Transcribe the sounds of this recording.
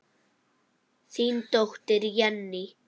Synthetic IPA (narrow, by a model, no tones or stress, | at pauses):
sint̪oxt̪eɾjanːi